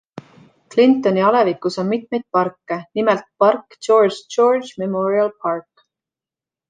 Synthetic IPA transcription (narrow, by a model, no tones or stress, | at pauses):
klint̪ːˑo̞niɑlevikːˑuso̞nmit̪̚ˑme̞jd̪̚pɑrkːenimelt̪̚pɑrkː | t͡ʃo̞ːrʒd͡ʒo̞rdʒmemoɾiɑlpʰɑrk